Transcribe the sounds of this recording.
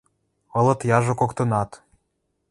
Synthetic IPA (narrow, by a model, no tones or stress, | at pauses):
ɤ̆lɤ̆t̪jɑʒŏkokt̪ɤ̆nɑt̪